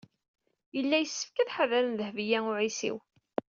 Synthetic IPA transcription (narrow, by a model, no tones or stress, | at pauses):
jəlːæjəsːə̥fkæðħaðæɾənðəhvijæʊʕisḭw